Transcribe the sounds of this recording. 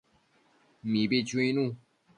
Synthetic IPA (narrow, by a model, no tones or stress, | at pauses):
mipit͡ɕwĩnũ